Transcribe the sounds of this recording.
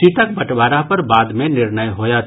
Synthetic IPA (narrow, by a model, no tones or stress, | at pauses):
t͡ʃiʈək̚bɐʈbaːɾapɐɾbaːd̪mẽnɪɾnəjɦoːjat̪